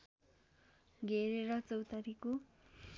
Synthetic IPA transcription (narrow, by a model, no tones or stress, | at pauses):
ɡʱeɾeɾʌt͡sʌwt̪ʌɾiko